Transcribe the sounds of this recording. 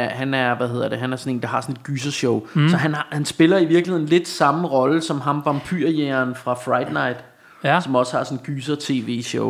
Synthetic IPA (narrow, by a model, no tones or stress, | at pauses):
ɦænæɐʋæhe̝ðˠɐd̥e̝ɦænæɐsɒ̽ne̝̰ːnd̥ɑ̈hɑ̈sɒ̽ne̝d̥̚ɡ̥yːs̬ɐɕɔʊsɒ̽ɦænhænsb̥e̝lɐiʋiɐɡ̥lihe̝n̩le̝d̥sɑ̈məʁɒ̽ləsɒ̽mɦɑ̈mʋɑ̈mpʰyɐ̰jæɐnfʁɑ̈fʁɑ̈ɪd̥nɑ̈ɪd̥ | sɒ̽mɒ̽shɑ̈sɔnɡ̥yːs̬ɐt͡sʰe̝̰ːʋe̝̰ːɕɔʊ